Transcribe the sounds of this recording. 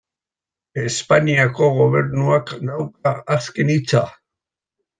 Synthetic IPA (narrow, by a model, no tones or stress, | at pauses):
e̞spaniako̞ɣo̞β̞e̞ɾnuaknawkaːske̞nit͡sa̰